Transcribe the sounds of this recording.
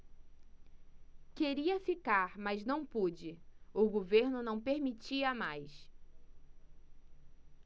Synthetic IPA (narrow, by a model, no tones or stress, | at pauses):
keɾiɐfikaɾmɐznɐ̃w̃pud͡ʒɪʊɡoveɾnʊnɐ̃w̃peɾmit͡ʃiɐmajs